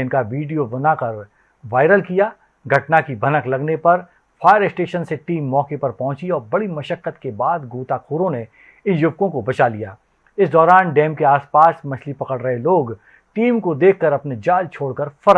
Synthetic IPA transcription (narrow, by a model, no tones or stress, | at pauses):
ɪnkaʋiːɖijoʋɐnakɐɾ | ʋaːɪɾəlkijaː | ɡʱɐʈnakibʱɐnəklɐɡnepɐɾ | fʰaːjəɾɪsʈeːʃənseʈiːmːɔːkepɐɾpɐ̃ɦʊ̃t͡ʃiɔːɾbɐɽimɐʃəqːət̪kebaːd̪ɡoːt̪akʰoːɾõne | ɪnjʊbkõkobɐt͡ʃalijaː | ɪsd̪ɔːɾaːnɖɛːmkeaːspaːsmɐt͡ʃʰlipɐkəɽɾəɦeloːɡ | ʈiːmkod̪eːkʰːɐɾɐpned͡ʒaːlt͡ʃʰoːɽkɐɾfɐɾ